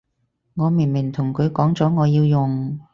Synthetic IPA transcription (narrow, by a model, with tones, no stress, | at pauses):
ŋɔː˨˧mi˨˩nmɪ˨˩ŋt̪ʰʊ˨˩ŋkʰɵ˨˧ɥkɔː˨˥ŋt͡sɔː˨˥ŋɔː˨˧jiː˧wjʊ˨˩ŋ